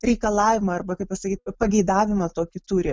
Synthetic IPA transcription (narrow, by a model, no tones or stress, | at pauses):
ɾʲɛɪkɐlˠɑːʋʲɪmɐɐrbɐkɐɪpɐsɐkʲiːt̪̚ʲpɐɡʲɛɪd̪ɑːʋʲɪmɐt̪oːkʲɪt̪uːɾʲɪ